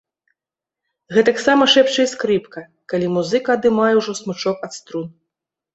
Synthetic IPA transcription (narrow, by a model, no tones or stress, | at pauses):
ɣɛt̪ɐksamɐʂɛpt͡ʂɐjskɾɨpkɐ | kalʲimuzɨkɐad̪ɨmajɛwʐɔsmɨt͡ʂɔkɐt̪st̪ɾun